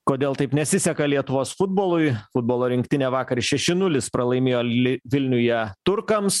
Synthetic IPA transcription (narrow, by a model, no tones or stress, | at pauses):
koːd̪ʲeːlˠt̪ɐɪpnʲɛsʲɪsʲɛkɐlʲiɛt̪ʊʋoːsfʊd̪̚boːlˠʊɪfʊd̪̚boːlˠoːɾʲɪŋʲkt̪ʲɪnʲeːʋɑːkɐɾʲɪʃʲɛʃʲɪnʊlʲɪspɾɐlˠɐɪmʲeːjoːlʲɪʋʲɪlʲnʲʊjɛt̪ʊɾkɐms